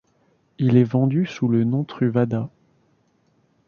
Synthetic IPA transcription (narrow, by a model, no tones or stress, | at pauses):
ilɛvɑ̃d̪ysulənɔ̃t̪χyvad̪a